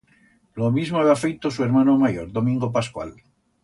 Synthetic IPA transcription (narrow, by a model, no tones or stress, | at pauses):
lomizmoaβiafejt̪osue̞ɾmãnomajoɾðomĩŋɡop̬askwa̰l